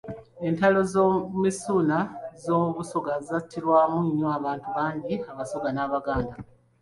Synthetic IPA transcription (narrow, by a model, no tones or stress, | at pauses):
e̞ntalo̞zomisuːnazo̞ːmuβusoɡaatːiɾwaːmuɲːoaβaːntuβaːɲɟiaβaso̞ɡanaːβaɡaːnda